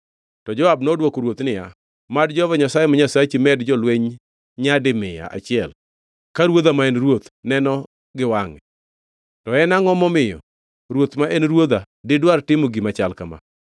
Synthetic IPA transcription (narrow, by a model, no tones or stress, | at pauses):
tɔd͡ʒɔabnodwokoɾwot̪nɪja | madd͡ʒɔvaɲasajemaɲasat͡ʃimɛdd͡ʒɔlweɲ | ɲadɪmɪja̰ʔa̰t͡ʃɪɛl | kaɾwod̪amaenɾwot̪nɛnɔ | ɡɪwaŋɛ | tɔɛnaŋɔmɔmɪjɔ̰ | ɾwot̪maʔenɾwod̪a | dɪdwartɪmoɡimat͡ʃalkama̰